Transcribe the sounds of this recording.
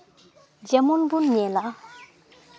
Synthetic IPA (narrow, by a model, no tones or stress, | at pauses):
d͡ʑamunbunːela